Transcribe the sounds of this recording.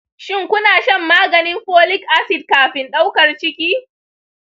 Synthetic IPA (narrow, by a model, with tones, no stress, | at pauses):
ʃɪ˦˨ŋkʷʊ˦naː˨ʃɐ˦mːaː˦ɡɐ˨nɪ˦mɸoː˦lɪ˦kʔa˦sɪ˨d̚kaː˨ɸɪ˨nɗa˦wkɐ˨rt͡ʃɪ˦kʲiː˦